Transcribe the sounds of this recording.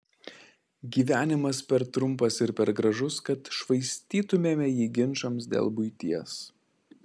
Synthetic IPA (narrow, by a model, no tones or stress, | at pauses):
ɡʲiːʋʲæːnʲɪmɐspʲɛɾt̪ɾʊmpɐsɪɾpʲɛɾɡɾɐʒʊskɐt̪ʃʋɐɪsʲt̪ʲiːt̪ʊmʲeːmʲɛjiːɡʲɪnʃɐmsd̪ʲḛːlˠbʊɪt̪ʲiɛs